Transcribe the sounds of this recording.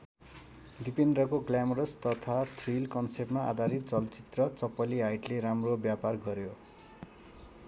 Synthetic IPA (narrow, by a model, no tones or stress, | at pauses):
d̪ipend̪rʌkoɡlamɾʌst̪ʌt̪ʰat̪ʰrilkʌnsepmaʔa̰d̪ʱaɾit̪̚t͡sʌlt͡sit̪rʌt͡sʌpːʌliɦajʈleɾamrobjaparɡʌɾjo